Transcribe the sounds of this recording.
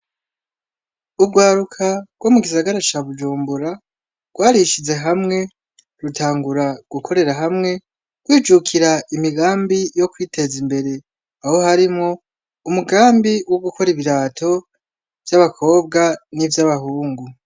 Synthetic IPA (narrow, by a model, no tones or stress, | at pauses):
ubɡwaːɾukʰaɡwomuɡisaɡaɾat͡ʃaβud͡ʒuːmbuɾa | ɡ̥waːɾiʃize̞ɦamŋe̞ | ɾutaːŋɡuɾaɡ̥ukʰo̞ɾe̞ɾaɦamŋe̞ | ɡ̥wiːd͡ʒukʰiɾaʔimiɡaːmbijo̞kwiːtʰe̞zimbe̞ɾe̞ | aho̞haɾimŋo̞ | umuɡaːmbiwoɡuko̞ɾiβiɾaːtʰo̞ | v̥jaβakʰo̞ːb̚ɡanivjaβahuːŋɡu